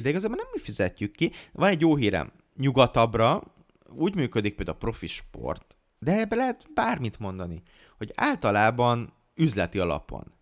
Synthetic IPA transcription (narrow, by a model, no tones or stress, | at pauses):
d̪ɛiɡɒzaːbonɛmːifizɛcːykːivɒnɛɟjoːɦiːɾɛ̰m | ɲuɡɒt̪ɒbrɒ | uːɟmyːkød̪ik̚peld̪a̰pro̞fiʃpo̰rt̪ | d̪ɛɛbːɛlɛɦɛt̪baːrmit̪mo̞nd̪ɒni | ho̞ɟa̰ːlt̪ɒlaːbɒn | yzlɛt̪iɒlɒ̰po̰n